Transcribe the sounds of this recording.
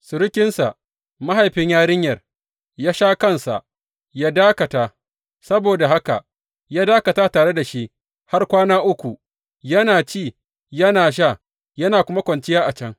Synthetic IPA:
sʊ˨ɾɪ˦kʲɪ˦nsa˨ | ma˦ɦa˨jɸɪ˦ɲjaː˦ɽɪ˦ɲjɐ˨r | jaː˦ʃaː˦kɐ˦nsa̰˨ʔ | jaː˦daː˦kɐ˨taː˨ | sɐ˦boː˨da˨ha˦ka̰˨ | jaː˦daː˦kɐ˨taː˦taː˨ɽe˦da˨ʃi˦ʔ | ha˦rkʷaː˦naː˦ʔʊ˦kʷu˨ | jɐ˦naː˨t͡ʃiː˦˨ | jɐ˦naː˨ʃ̬a˦˨ | jɐ˦naː˨kʷʊ˦ma˦kʷɐ˨nt͡ʃɪ˦jaː˦ʔa˨t͡ʃɐ˦ŋ

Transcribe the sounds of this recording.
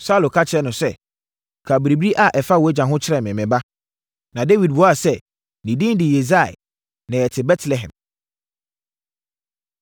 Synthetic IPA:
sa˦˨lo˨kʰa˦t͡ɕʰɪ˨ɾɛ˦nʊ̃˨sɛ˦ | kʰa˨bɾi˨bi˦ɾi˦ʔa˦ʔɛ˨fa˦wɔ˨ɛ˦d͡ʑã˨ɦʊ̃˦t͡ɕʰɪ˦ɾɛ˨mɪ̃˨mɪ̃˨ba˦ | nã˨de˦wi˨d̚bɔ˦a˨sɛ˦˨ | nĩ˨dĩ˦dɪ˨je˨za̰˦˨ | nɪ̃˨ɛ˨tʰɪ˨bɛ˦tʰlɛ˨ɦɛ̰̃˨m

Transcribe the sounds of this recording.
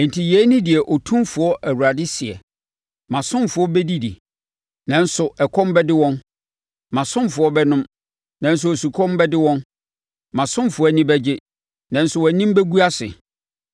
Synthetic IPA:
ɛ̃˨n˨tʰi˨jɛ˨˦nɪ̃˦dɪ˨ɛ˨ʔɔ˨tʰũ˦mfʊ˨ɔ˦ʔæ˨wu˨ɾa˨dɪ˦sɪ˨ɛ̰˨ | mã˨sʊ̃˦mfʊ˨ɔ˦bɛ˦di˦dḭ˨ | nã˨n̩˦sʊ˨ɛ˨kʰɔ̃˦mbɛ˦dɪ˦wɔ̃˦n | mã˨sʊ̃˦mfʊ˨ɔ˦bɛ˦nʊ̃˦m | nã˨n̩˦s̬ʊ˨o˨su˨kʰɔ̃˦mbɛ˦dɪ˦wɔ̃˦n | mã˨sʊ̃˦mfʊ˨ɔ˦˨nĩ˦bɛ˦d͡ʑɪ˦ | nã˨n̩˦sʊ˨wɛ˨˦nĩ˦m˦bɛ˦ɡu˦a˦sɪ̰˨

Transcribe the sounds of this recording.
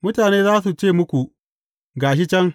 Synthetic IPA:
mʊ˦taː˨neː˦zaː˦su˨t͡ʃeː˦˨mʊ˦kʷu˨ʔ | ɡaː˨ʃ̬ɪ˦t͡ʃɛ˦ŋ

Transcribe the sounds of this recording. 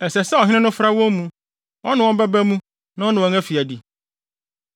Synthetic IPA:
ɛ˨sɛ˨sɛ˦ɔ˨ɦɪ̃˦ɪ̃˦nʊ̃˦fɾa˦wɔ̃˦mmũ˦ | wʔɔ̃˦nɪ̃˨wɔ̃˦m˦bɛ˦bæ˦mũ˦ | nã˦ɔ˦nã˨wɔ̃˨ŋæ˦fi˨æ˨di˨

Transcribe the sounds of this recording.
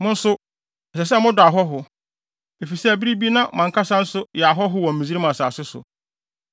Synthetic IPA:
mʊ̃˦n̩˦sʊ˦ | ɛ˨sɛ˨s̬ɛ˦mʊ̃˦dʊ˨a˨ɦɔ˦ɦʊ˨ | e˨fi˨sɛ˦æ˨bi˦ɾi˦bi˦nã˦˨mã˨ŋ˨kʰa˦sã˦n̩˦sʊ˦jɛ˨a˨ɦɔ˦ɦʊ˦wɔ̃˨m̩˨mĩ˨zi˦ɾi˦mã˨saː˨sɪ˦sʊ̰˨

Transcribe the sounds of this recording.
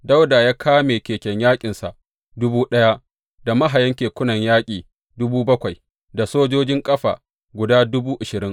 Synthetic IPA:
da˦wda˨jaː˦kʰaː˦meː˨kʲeː˨kʲɐ˨ɲjaː˦kʲʼɪ˨nsa̰˨ʔ | dʊ˦buː˦ɗɐ˦ja˦ | da˨ma˦ɦa˨jɐ˦ŋkʲeː˨kʷʊ˦nɐ˨ɲjaː˦kʲʼiː˨ | dʊ˦buː˦bɐ˦kʷa˨j | da˨soː˦d͡ʒoː˦d͡ʒɪ˦ŋkʼɐ˦ɸa̰ː˨ | ɡʷʊ˨daː˦dʊ˦buː˦ʔɪ˨ʃɪ˨ɾɪ˦ŋ

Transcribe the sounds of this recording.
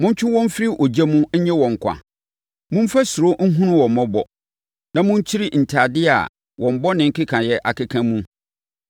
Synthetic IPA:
mʊ̃˦ɲ̩˦t͡ɕʰᶣʊ˦wɔ̃˦m̩˦fɪ˦ɾi˦ʔɔ˨d͡ʑɛ˦mũ˦ɲ̩˦ɲɛ̃˦wɔ̃˨ŋ˨kʷʰa̰˨ | mʊ̃˦m̩˦fæ˦sʊ˨ɾo˦ŋ̩˦ɦũ˦nʊ̃˦wɔ̃˨m˨mɔ̃˦bɔ˨ | nã˨mʊ̃˦ɲ̩˦t͡ɕʰi˦ɾi˦n̩˨tʰa˨dɪ˦a̰˨ | wɔ̃˨m˨bɔ˦nɪ̃˨ŋ̩˦kʰɪ˦kʰã˨jɛ˦ʔa˨kɪ˦kʰã˦mũ˦

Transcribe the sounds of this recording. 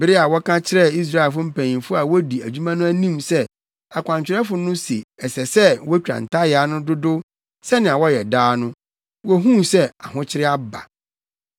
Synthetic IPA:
bɪ˦ɾɪ˦a˨wɔ˦kʰã˦t͡ɕʰɪ˦ɾɛ˦i˦s̬ɾa˦˨fʊ˦m̩˦pʰæ̃˨ĩ˨nfʊ˦a˨wɔ˦di˨æ˨d͡ʑᶣu˦mã˦nʊ̃˦æ˦nĩ˦msɛ˦ | a˨kʷʰã˨ɲ˨t͡ɕᶣɪ˨ɾɛ˦fʊ˨nʊ̃˦sḭ˨ɛ˨sɛ˨sɛ˦wɔ˦t͡ɕᶣã̰˨n̩˨tʰa˦ja˦nʊ̃˦dʊ˦dʊ˦ | sɛ˦nɪ̃˨a˨wɔ˦jɛ˨daː˦nʊ̃˦ | wɔ˦ɦũ˦sɛ˦a˨ɦʊ̃˦t͡ɕʰɪ˦ɾɪ˦a˦ba̰˨

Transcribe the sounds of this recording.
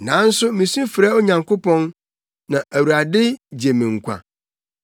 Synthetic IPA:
nã˨˦n̩˦sʊ˦mĩ˨sũ˦fɪ˨ɾa˦ɔ˦ɲã˨ŋkʰo˦pʰɔ̃˦n | nã˨ʔæ˨wu˨ɾa˨dɪ˦d͡ʑe˨mĩ˨ŋ̩˨kʷʰã̰˨

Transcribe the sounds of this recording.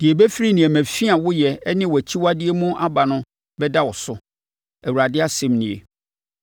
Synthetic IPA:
d̥ɪ˨e˨bɛ˦fi˦ɾi˦nĩ˨ɛ˨mæ̃˨fi˦a˨wʊ˦jɛ˨ɛ˦nɪ̃˦wʊ˨æ˨t͡ɕʰi˦wa˦dɪ˦e˦mũ˦ʔa˦ba˨nʊ̃˦ | bɛ˦da˦wɔ˨sʊ˦ | æ˨wu˨ɾa˨dɪ˦a˦sɛ̃˨mnĩ˨ḛ˨

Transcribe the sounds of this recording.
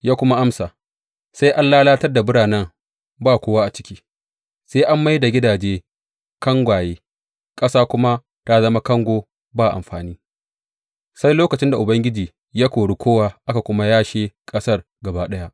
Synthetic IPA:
jaː˦kʷʊ˦ma˦ʔa˦msa˨ | sa˦jʔa˦nlaː˦laː˦tɐ˦rda˨bʊ˦ɽaː˨nɛ˦ŋ | baː˦˨kʷoː˦waː˦ʔa˨t͡ʃɪ̥˦kʲiː˦ | seː˦ʔa˦mːa˦jda˨ɡʲɪ˦daː˨d͡ʒeː˦ | kɐ˦ŋɡʷaː˨jeː˦ | kʼɐ˦saː˦kʷʊ˦ma˦ | ta˦zɐ˦ma˦kɐ˦ŋɡʷoː˦˨ | baː˦˨ʔa̰˨mɸaː˨niː˦ | sa˦jloː˦kɐ˨t͡ʃɪ˦nda˨ʔʊ˨bɐ˦ŋɡʲɪ˦d͡ʒiː˨ | jaː˦kʷoː˨ɽu˦kʷoː˦waː˦ʔa˦ka˨kʷʊ˦ma˦jaː˦ʃeː˦kʼɐ˦sɐ˦˨r | ɡɐ˨baː˦ɗɐ˦ja˦ʔ

